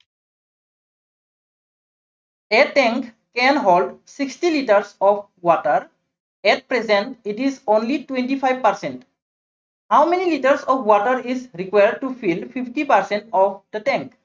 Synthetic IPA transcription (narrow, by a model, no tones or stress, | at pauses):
etɛ̃ŋk | kɛ̃nɦolɖsikstiliʈəɾsɔp | wɔʈəɹ | ɛt̚pɹezɛ̃ntitizõnlitwẽnʈipʰajvpaɾsɛ̃nt | hawmenilitəɾsɔpʰwɔʈəɾizɾikwajəɖ̚tupʰilpʰifʈipaɾsɛ̃ntɔpd̪̥ətɛ̃ŋk